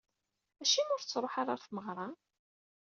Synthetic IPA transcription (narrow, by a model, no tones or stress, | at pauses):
æʃimʊɾt͡sːɾˤoħaɾˤaɾθməʁɾˤɑ